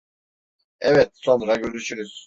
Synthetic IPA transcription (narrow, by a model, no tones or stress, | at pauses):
ɛvɛt̪̚sonɾaɟøɾyʃyɾyz̥